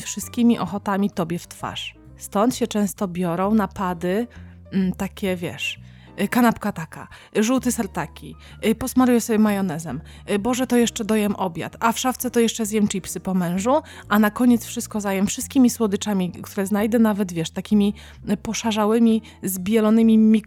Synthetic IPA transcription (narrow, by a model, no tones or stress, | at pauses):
fʂɨst̪̚kʲimʲiʔɔxɔt̪amʲit̪ɔbʲjɛft̪fa̰ʂ | st̪ɔnt̪ɕɛt͡ʂɛ̃w̃st̪ɔbʲjɔɾɔ̃w̃napad̪ɘ | t̪akʲɛvʲjɛ̰ʂ | kanapkat̪aka̰ | ʐuwt̪ɘsaɾt̪akʲi | pɔsmaɾujɛsɔbʲjɛmajɔnɛzɛm | bɔʐɛt̪ɔjɛʂt͡ʂɛd̪ɔjɛmʔɔbʲja̰t̪afʂaft̪sɛt̪ɔjɛʂt͡ʂɛzjɛmt͡ʂipsɘpɔmɛ̃w̃ʐu | ʔanakɔɲɛt̪sfʂɨst̪̚kɔzajɛmfʂɨst̪̚kʲimʲiswɔd̪ɘt͡ʂamʲikt̪uɾɛznajd̪ɛnavɛd̪vʲjɛʂt̪akʲimʲi | pɔʂaʐawɘmʲi | zbʲjɛlɔnɘmʲimʲi